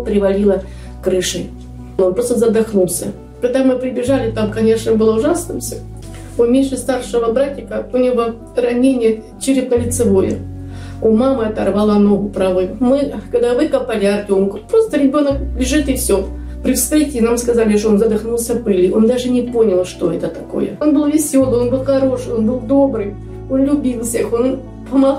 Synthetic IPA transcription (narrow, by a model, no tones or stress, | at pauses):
pɾʲɪvɐlʲilˠə | kɾɨʂɨj | onpɾo̞st̪əzəd̪ɐxnulˠsʲə | pɾʲɪd̪amːɨpɾʲɪbʲɪʐalʲɪt̪amkɐnʲe̞ʂnəbɨlˠəʊʐasnɨmsʲo | ʊmʲeʂɨst̪arʂɨvəbɾatʲɪkəʊnʲɪvo | rɐnʲenʲɪjə | t͡ɕɪɾʲɪd̪nəlʲɪt̪sɨvojɪ̰ | umamɨɐt̪ɐ̰rvalˠanoɡʊpɾɐvojʊmɨɡəd̪avɨkɐpalʲɪɐrtʲonkʊpɾo̞st̪əɾʲɪbʲo̞nəklʲɪʐɨt̪ɨfsʲo | pɾʲɪfst̪ɾʲetʲɪɪnamskɐzalʲɪʂ̬toonzəd̪ɐxnulˠsʲəpɨlʲɪʔo̞nd̪aʐɨnʲɪpo̞nʲəlˠʂt̪o̞ɛt̪ət̪ɐko̞̰jə̰o̞nbɨlˠvʲɪsʲo̞lˠɨjo̞nbɨlˠxɐɾo̞ʂɨo̞nbɨlˠd̪o̞bɾɨj | o̞nlʲʊbʲilˠfsʲexo̞n | pəma